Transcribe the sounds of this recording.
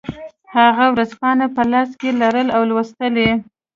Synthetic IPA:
haɣawɾazpɑnapəlɑskelaɾəlawlwast̪əle

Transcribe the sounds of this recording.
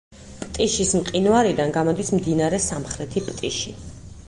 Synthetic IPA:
pʼt̪ʼiʃismqʼinuaɾid̪anɡamɔd̪ismd̪inaɾɛsamχɾɛt̪ʰipʼt̪ʼiʃi

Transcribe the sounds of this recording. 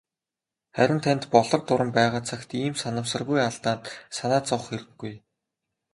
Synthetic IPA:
χæɾʲɪ̆nt̪ʰænt̪pɔɮɞ̆rt̪ʊɾə̆mpæːʁaːt͡sʰakt̪iːmsanə̆msə̆rpujaɮt̪aːnt̪sanaːt͡sɔwχxeɾɘ̆ɡːuj

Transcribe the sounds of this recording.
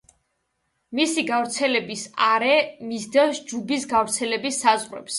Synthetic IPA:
misiɡavɾt̪sʰɛlɛbisaɾɛmizd̪ɛsd͡ʒubisɡavɾt̪sʰɛlɛbisːazʁwɛ̰ps

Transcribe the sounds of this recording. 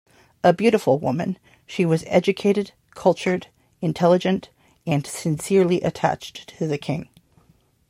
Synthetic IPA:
əbjʉɾəfl̩ˠwʊ̰mɨ̰̃n | ʃiwʌzɛ̰d͡ʒɨkʰeɪɾɨd̚ | kʰʌlˠt͡ʃə˞ɾ | ɨ̃ntʰɛlˠəd͡ʒɨ̃nt | ɨ̃nsɨ̃nsɪɹlˠiʔɨtʰæ̰t͡ʃtʰɨðɨkʰɪ̃ŋ

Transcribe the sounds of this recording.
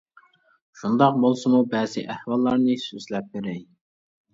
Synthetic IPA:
ʃund̪ɑq̚bolˠsɨmubɛzɪ̰ʔæhwɑlˠːɑɾnɨsyzlɛp̚beɾɛj

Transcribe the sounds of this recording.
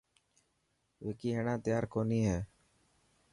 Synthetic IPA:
ʋeːkiːɦeːɳãːt̪jaːɾkoːniːɦɛː

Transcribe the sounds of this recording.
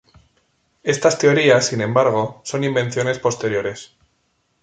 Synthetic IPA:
e̞st̪ast̪e̞o̞ɾiasːinẽ̞mbaɾɣ̞o̞so̞nimbẽ̞nθjo̞ne̞spo̞st̪e̞ɾjo̞ɾe̞s

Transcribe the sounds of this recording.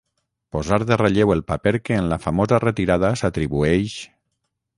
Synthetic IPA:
pozaɾðereʎewelˠpapeɾkeːnlafamozaret̪iɾaðasat̪ɾiβueʃ

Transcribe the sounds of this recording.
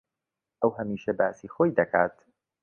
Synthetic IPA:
ɐwhɐmiːʃɐbaːsiːxoːjd̪ɐkʰaːt̪

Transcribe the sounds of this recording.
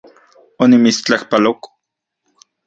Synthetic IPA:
onimit͡st͡ɬahpalok

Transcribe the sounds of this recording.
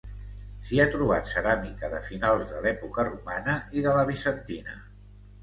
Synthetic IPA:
siat̪ɾuβ̞at̪səɾamikəðəfinalˠzðəlɛpukərumanəʔiðələβ̞isənt̪inə̰

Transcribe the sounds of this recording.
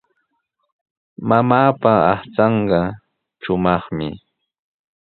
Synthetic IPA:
mamaːpaɑχt͡sɑɴɢɑ | ʃʊmɑχmɪ̰

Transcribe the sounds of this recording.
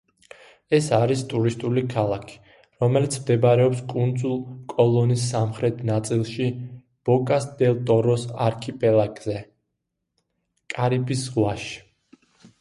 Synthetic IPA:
ɛsaɾist̪ʼuɾist̪ʼulikʰalˠakʰi̥ | ɾɔmɛlit̪sʰmd̪ɛbɾɛɔpskʼund̪zulˠkʼɔlˠɔnisːamχɾɛt̪ʰnat̪sʼilˠʃi | b̥ɔkʼasd̪ɛlˠt̪ʼɔɾɔsaɾkʰipʼɛlakʼzɛ | kʼaɾibisʁwaʃi̥

